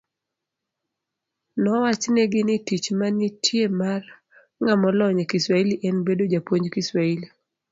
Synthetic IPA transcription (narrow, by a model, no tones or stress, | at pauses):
nɔwat͡ʃnɛɡɪnɪtit͡ʃmanɪtʰjemar | ŋamɔlɔɲɛkiswailiʔɛnbedod͡ʒapwoɲd͡ʒkiswaili